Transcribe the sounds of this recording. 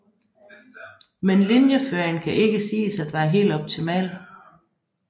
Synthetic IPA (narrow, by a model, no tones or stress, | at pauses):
menlinjəføːŋkʰæʔe̝ɡ̥əsiːsæd̥ʋæːɐɦe̝̰ːld̥ɒ̽b̥̚t͡sʰimɛ̰ːl